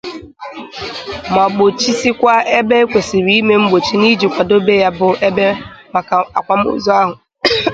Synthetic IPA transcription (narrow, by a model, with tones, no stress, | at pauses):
ma˨ɡ͡bo˨t͡ʃi˦si˦kʷa˦e˦be˦e˦kʷe˨si˨ɾi˦me˦m̩˦ɡ͡bo˨t͡ʃi˦ni˦d͡ʒi˨kʷa˨do˦be˦ja˦bʊ˨ʔe˦be˦ma˨ka˨a˨kʷa˨m̩˦ʊ̰˦˨zɔ˦a˦ɦʊ˨